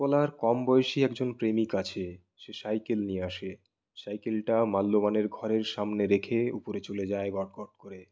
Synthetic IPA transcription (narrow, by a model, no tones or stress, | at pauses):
ɔlaɾkɔmbɔjeʃiɛkd͡ʑonpɾemikat͡ɕʰe | ʃeʃajkelnieaʃe | ʃajkelʈamalːomaneɾɡʱɔɾeɾʃamneɾekʰeupoɾet͡ɕoled͡ʑaeɡɔʈkɔʈ̚koɾe